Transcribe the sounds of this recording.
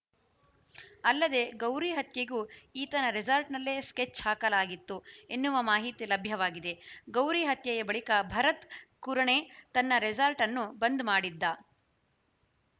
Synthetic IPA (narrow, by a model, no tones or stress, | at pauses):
ɐlːɐd̪e̞ɡɐwɾiɦɐt̪jeɡuːiːt̪ɐnɐɾisɐlʈnɐlːesket͡ʃːhaːkɐlaːɡit̪ːuenːuʋɐmaːɦit̪ilɐbʱjɐʋaːɡid̪e̞ɡɐwɾiɦɐt̪jɐjɐbɐɭikɐbʱɐɾɐt̪kuɾɐɳet̪ɐnːɐɾisɐlʈɐnːubɐnd̪maːɽid̪ːɐ